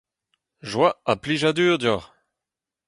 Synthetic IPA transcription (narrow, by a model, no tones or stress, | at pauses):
ʒwaapliʒad̪yːʁd̪jɔʁ